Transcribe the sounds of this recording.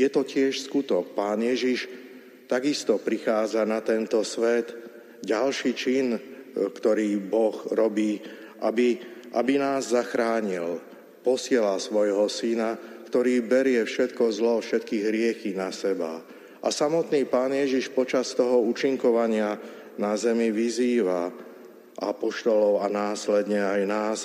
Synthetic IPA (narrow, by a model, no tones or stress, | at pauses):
jɛt̪ɔcɪɛʃskut̪ɔk̚paːnjɛʒiʃ | t̪aɡist̪ɔpɾixaːd͡zanat̪ɛnt̪ɔsʋɛd̪ | ɟalʃiːt͡ʃinkt̪ɔɾiːbɔxɾɔbiː | ʔabiʔabinaːzːaxɾaːɲil | pɔsɪɛlasʋɔjɦɔsinakt̪ɔɾiːbɛɾɪɛfʃɛt̪kɔzlɔfʃɛt̪kiːɣɦɾɪɛxinasɛba̰ | ʔa̰samɔt̪niːpaːnjɛʒiʃpɔt͡ʃast̪ɔɦɔuːt͡ʃiŋkɔʋaɲɪa | nazɛmiʋiziːʋa | ʔa̰pɔʃt̪ɔlɔʊanaːslɛd̪ɲɛajnaːs